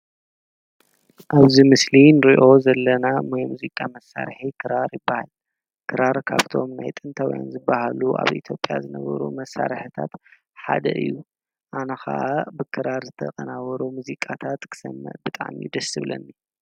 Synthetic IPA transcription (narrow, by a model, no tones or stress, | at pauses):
ʔaβzimɨslinɨɾiʔo̞zɐlːɐnamajmuzikʼamɐsːa̰ɾħikʰɨɾaɾjɪbːahal | kʰɨɾaɾkʰaβt̪ʰo̞mnajt̪ʼɨnt̪ʰawja̰nzɨbːahaluʔa̰βʔit̪ʰjopʼjazɨnɐβɐɾṵmɐsːaɾħɨt̪ʰa̰t̪ | ħa̰d̪ɐʔɨ̰jːu | ʔanɐxa̰ʔabɨkʰɨɾaɾzɨt̪ʰɐkʼɐnawɐɾumuzikʼat̪ʰat̪kʰɨ̥sɐmːɐ̰ʔbɨt̪ʼa̰ʕmḭd̪ɐsɨβlɐ̰nːi